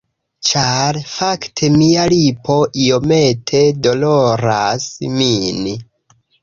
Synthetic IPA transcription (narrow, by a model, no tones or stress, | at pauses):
t͡ʃaɾfaktʰe̞mialipo̞ʔio̞me̞tʰe̞do̞lo̞ɾasmin